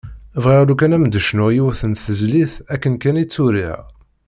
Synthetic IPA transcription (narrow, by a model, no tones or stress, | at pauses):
vʁiʁlukænæmd̪əʃnʊjiwæθənθəzliθækːənkænit͡sːuɾḭʁ